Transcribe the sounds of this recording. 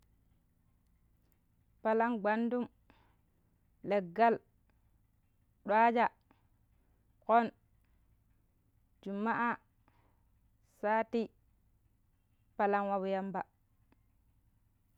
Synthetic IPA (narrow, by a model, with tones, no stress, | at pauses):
pa˨la˦ŋɡ͡ba˦ndu˦m | le˨ɡːa˦l | ɗwa˦d͡ʒa˨ | ko˦n | d͡ʒu˨mːa˦ʔa˦ | saː˦ti˦ | pa˨la˦nwa˨wja˦mba˨